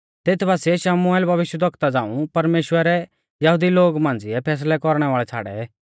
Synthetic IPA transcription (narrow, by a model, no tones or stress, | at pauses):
t̪eːt̪ʰbaːsɛʃɐmʊɛːlbʱɐʋɪʃjəd̪ʱəkt̪ad͡zãːṵ̃pɐɾmeːʃwəɾɛ | jɐɦud̪iloːɡmãːnd͡zɪɛpʰɛːs̬lɛkɔɾɽ̃ɛʋaːɭɛt͡sʰa̰ːɽɛ̰